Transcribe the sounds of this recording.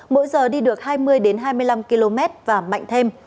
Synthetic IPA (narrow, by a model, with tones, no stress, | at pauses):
mo̰˧˥jzəː˨˩ɗi˧ɗɨ˨˩ək̚haː˧jmɨ˧əjɗe˨˦nɦaː˧jmɨ˧əjla˧mki˧lo˧mɛ˦˥t̚vaː˨˩ma̰˧˨ŋt̪ʰe˧m